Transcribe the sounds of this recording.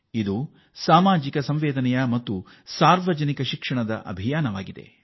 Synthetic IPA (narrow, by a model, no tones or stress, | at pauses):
id̪u | saːmaːd͡ʒikɐsɐmʋɛːd̪ɐnɛjɐmɐt̪ːu | saːɾʋɐd͡ʒɐnikɐʃikʂɐɳɐd̪ɐ̰ʔɐ̰bʱijaːnɐʋaːɡid̪e̞̰